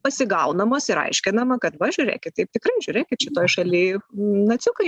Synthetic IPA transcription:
pɐsʲɪɡɐʊnɐmoːsɪɾɐ̰ɪʃʲkʲɪnɐmɐkɐt̪ʋɐʒʲʊːɾʲḛːkʲɪt̪̚t̪ɐɪp̚t̪ʲɪkɾɐɪʒʲʊːɾʲeːkʲɪt̪ʃʲɪt̪oːjʃɐlʲiːnɐt͡sʲʊkɐɪ

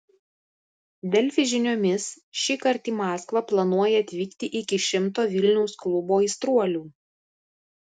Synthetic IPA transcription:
d̪ʲɛlʲfʲɪʒʲɪnʲoːmʲɪs | ʃʲikɐɾʲt̪ʲiːmɑːskʋɐplˠɐnuɔjɛɐt̪ʲʋʲiːkt̪ʲɪʔɪkʲɪʃʲɪmt̪oːʋʲɪlʲnʲɛʊsklˠʊboːist̪ɾuɔlʲuː

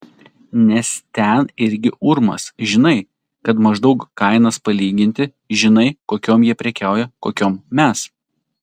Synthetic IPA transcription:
nʲɛst̪ʲɛnɪɾʲɡʲɪʔʊɾmɐ̰sʒʲɪnɐɪ | kɐt̪mɐʒd̪ɐʊkkɐɪnɐspɐlʲiːɡʲɪnʲt̪ʲɪ | ʒʲɪnɐɪkoːkʲoːmjiɛpʲɾʲɛkʲæˑʊjɛkoːkʲoːmːʲɛs

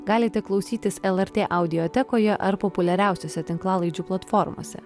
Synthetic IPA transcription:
ɡɑːlʲɪt̪ʲɛklˠɐʊsʲiːt̪ʲɪsɛlˠɛɾʲt̪ʲeːʔɐʊd̪ʲɪɔt̪ʲɛkoːjɛʔɐɾpɔpʊlʲɛɾʲæˑʊsʲoːsʲɛt̪ʲɪŋklˠɑːlˠɐɪd͡ʒʲuːplˠɐt̪fɔɾmo̰ːsʲɛ̰

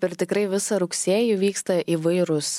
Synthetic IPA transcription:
pɛɾt̪ʲɪkɾɐɪʋʲɪsɐɾʊksʲeːjuʋʲiːkst̪ɐʔiːʋɐɪɾʊs

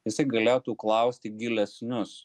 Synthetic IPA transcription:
ɪsʲɐɪɡɐlʲeːjoːt̪uːklˠɐʊsʲt̪ʲɪɡʲɪlʲɛsʲnʲʊs

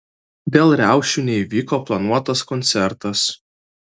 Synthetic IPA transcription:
bʲeːlˠɾʲæˑʊʃʲuːnʲɛiʋʲiːkoɔːplˠɐnuɔt̪ɐskɔnʲt̪sʲɛɾt̪ɐs

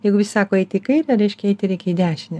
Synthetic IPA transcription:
jɛɪɡʊʋʲɪsʲsɑːkoːɛɪt̪ʲɪiːkɐɪɾɐɾʲɛɪʃʲkʲɛɛɪt̪ʲɪɾʲɛɪkʲɛid̪ʲæːʃʲɪnʲɪ

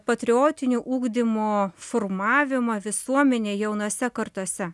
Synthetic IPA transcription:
pɐt̪ʲɾʲɪoːt̪ʲɪnʲuːʔuːɡd̪ʲɪmoːfoːrmɑːʋʲɪmɐʋʲɪsuɔmʲɛnʲeːjɛʊnuɔsʲɛkɐrt̪uɔsʲɛ

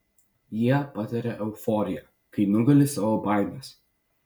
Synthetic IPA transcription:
jiɛpɐt̪ɐɾʲɛʔɛʊfɔːɾʲɪjɛ | kɐɪnʊɡɐlʲɪsɐʋobɑɪnɐs

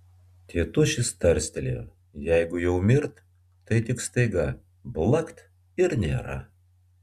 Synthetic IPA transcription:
t̪ʲiɛt̪ʊʃʲɪst̪ɐɾʲsʲt̪ʲelʲḛ | jæɪɡʊjɛʊmʲɪɾt̪ː | ɐɪt̪ʲɪkst̪ɐɪɡɐ | blˠɐkt̪ | ɪɾnʲḛːɾɐ̰

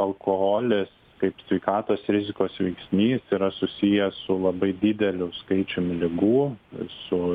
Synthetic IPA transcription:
ɐlˠkʰoɦoːlʲɪs | kɐɪpsʲʋʲɛɪkɑːt̪oːsɾʲɪzʲɪkoːsʋʲɛɪksʲmʲiːsiːɾɐsʊsʲijɛsʊlˠɐbɐɪd̪ʲɪd̪ʲɛlʲʊskɐɪt͡ʃʲʊmʲlʲɪɡuːsʊ

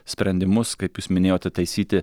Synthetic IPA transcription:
sʲpʲɾʲɛnʲd̪ʲɪmʊskɐɪpjuːsmʲɪnʲeːjoːt̪ʲɛt̪ɐɪsʲiːt̪ʲɪ

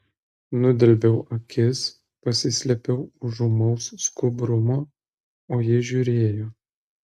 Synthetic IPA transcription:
nʊd̪ʲɪɾʲbʲɛʊʔɐkʲɪs | pɐsʲɪsʲlʲɛpʲɛʊʊʒʊmɐʊsːkʊbɾʊmoː | oːjɪʒʲuːɾʲeːjoː

